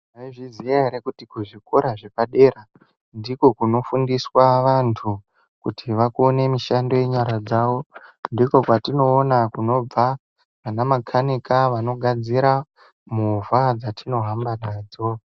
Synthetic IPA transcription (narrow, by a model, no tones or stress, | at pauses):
eʐizijaɾekutikuʐikoɾaʐepaɗe̞ːra | ndiko̞kuno̞fundiswaʋantʰu | kutiʋakuone̞miʃando̞je̞ɲaɾad͡zawo̞ndiko̞kwatino̞ːnakuno̞b͡va | ʋanamakʰanikaʋano̞ɡʱad͡ziɾa | muvad͡zatino̞ɦambanaːd͡zo̞